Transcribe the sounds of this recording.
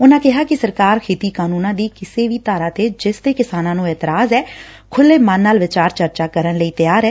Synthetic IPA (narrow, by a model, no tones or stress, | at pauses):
ʊnãːkɪɦaːkɪsəɾkaːɾkʰeːt̪iːkaːnuːnãːd̪iːkɪseːʋiːt̪aːɾaːt̪eːd͡ʒɪst̪eːkɪsaːnãːnũːɛːt̪əɾaːzɛː | kʰʊlːeːmãnːaːlʋɪt͡ʃaːɾt͡ʃəɾt͡ʃaːkəɾənləiːt̪əjaːɾɛː